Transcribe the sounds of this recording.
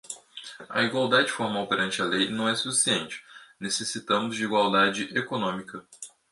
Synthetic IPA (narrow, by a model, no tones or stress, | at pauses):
ɐ̰iɡwawd̪ad͡ʒɪfoɾmawpeɾɐ̃nt͡ʃɪɐlejnɐ̃w̃ɛsufi̥siẽnt͡ʃɪ̥nesesit̪ɐ̃mʊzd͡ʒɪiɡwawd̪ad͡ʒɪʔekonõmikɐ